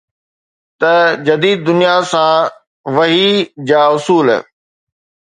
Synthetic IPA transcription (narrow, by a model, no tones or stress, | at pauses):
t̪ɐd͡ʑɐd̪iːd̪̚d̪ʊnijasã | ʋɐɦid͡ʑaːʊsuːl̰